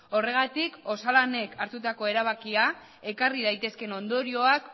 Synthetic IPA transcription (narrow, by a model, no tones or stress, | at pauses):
o̞re̞ɣ̞at̪iko̞salane̞kaɾt̪ut̪ako̞e̞ɾaβ̞akia | e̞karið̞ajt̪e̞ske̞no̞nd̪o̞ɾio̞ak